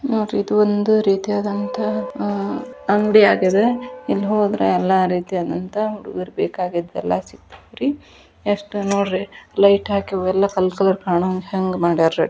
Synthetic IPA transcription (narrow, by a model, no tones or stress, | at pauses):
noːɖɾid̪uond̪uɾiːt̪iaːd̪ɐnt̪ɐ | ɐŋɡɽiaːɡed̪eilːɦoːd̪ɾḛɛlːaɾiːt̪ijaːd̪ɐnt̪ɐuɽuɡiɾbeːkaːɡid̪ɛ̰lːasik̚t̪ɐ̥ɾi | eʂʈunoːɖɾelɐjʈɦaːkiɛlːɐkɐlkɐlɐɾkaːɳɐŋɡheŋɡmaːɽiaɾɾei